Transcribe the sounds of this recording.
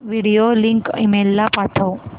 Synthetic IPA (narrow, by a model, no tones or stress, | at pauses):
ʋiɽijoliŋkḭmelːapaʈ̪ʰə